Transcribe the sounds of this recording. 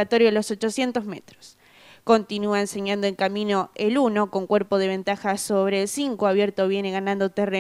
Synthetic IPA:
at̪o̞ɾjolo̞sot͡ʃo̞sje̞nt̪o̞zmet̪ɾo̥s | ko̞nt̪inuaense̞ɲãnd̪oe̞ŋkamĩno̞eluno̞ko̞ŋkweɾpoð̞e̞β̞e̞nt̪axasoβ̞ɾeːlsiŋkoaβjeɾt̪oβje̞ne̞ɣanãnd̪ot̪ere

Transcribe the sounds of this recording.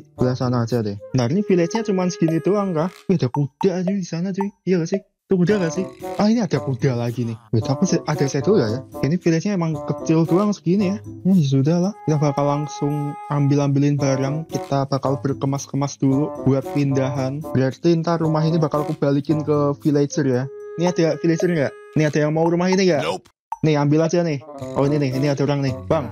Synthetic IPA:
b̥əlasanad͡ʒadɪənarnifilɛsɲat͡ʃumansə̥ɡinit̪uaŋkahiadakud̥ad͡ʒudisanat̪ujaɡasɪh | t̪ukudakaʔsɪhʔahiniadakudalaɡinɪhwɛt̪apisaʔadasad̪ujajainifilɛsɲaemaŋkət͡ʃɪlt̪uaŋsə̥ɡinijanad͡ʒas̬udahlahkit̪abakalːaŋsʊŋambɪlambilɪnbaɾaŋkit̪ab̥akalb̥ərkəmaskəmasd̥ulub̥uat̪̚pindaɦanb̥əɾart̪int̪aɾumaɦinibakalkub̥alikɪnkəfilet͡ʃərjainiadafilet͡ʃərŋɡaʔ | nɪhadajaŋmauɾumaɦiniŋɡaʔ | nɪhambɪlad͡ʒanɪhaininɪɦiniadauɾaŋnɪhb̥aŋ

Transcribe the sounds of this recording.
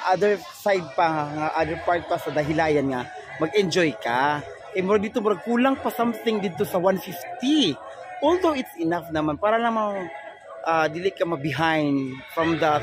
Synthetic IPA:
ʔad̪ɛɹ | sajd̪̚paŋaʔad̪ɛɹpaɹt̪̚pasɐd̪ɐɦɪlaːjɐnŋɐ | mɐɡɛnd͡ʒojka | ʔɛmʊɾad̪iːt̪omʊnɐɡ̚kuːlaŋpasamθɪŋd̪ɪd̪̚t̪osɐwanfift̪i | ʔold̪owɪt̪sɪnafnɐmanpaːɾɐlɐmaŋ | ʔad̪iːlɪkɐmɐbɪɦajnd̪fɹɐmd̪ɐ

